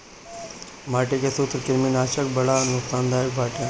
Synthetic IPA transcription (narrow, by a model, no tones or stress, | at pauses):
maːʈekesut̪ɾkɪɾminaːʃək̚bɐɽanʊksaːnd̪aːɾək̚bʱaːʈa